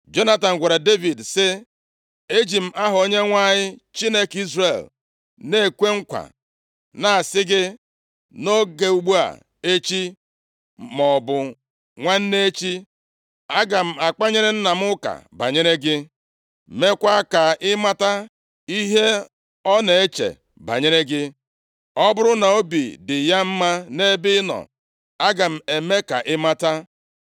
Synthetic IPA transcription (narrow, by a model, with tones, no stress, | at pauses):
d͡ʒo˦na˦ta˨n̩˨ɡʷa˨ɾa˨de˦vi˨dsɪ˦ | e˦d͡ʒi˨m̩˦ʔa˦ɦʊ˨o˦ɲe˦ŋʷa˦ɲɪ˦t͡ʃi˦ne˦ki˦zre˨l | ne˦˨kʷe˦ŋ̩˦kʷa̰˨ | na˨a˨sɪ˦ɡɪ˦ | no˦ɡe˨u˨ɡ͡bu˦a̰˨ | e˦t͡ʃi˦ | mɔ˨bʊ˨ | ŋʷa˦n̩˦ne˦t͡ʃi˦ | a˦ɡa˨m̩˦˨a˨k͡pa˦ɲe˦ɾɪ˦n̩˦na˨m̩˦ʊ˦ka̰˨ba̰˨ɲe˦ɾe˦ɡɪ˦ | me˦kʷa˦ka˨ɪ˦ma˦ta˦ | i˦ɦe˦ | ɔ˦ne˨e˦t͡ʃḛ˨ | ba̰˨ɲe˦ɾe˦ɡɪ˦ | ɔ˦bʊ˦ɾʊ˦na˨o˦bi˨dɪ˨ja˦m̩˦ma˦ne˦bɪ˦nɔ̰˨ | a˦ɡa˨m̩˨e˨me˦ka̰˨ʔɪ˦ma˦ta˦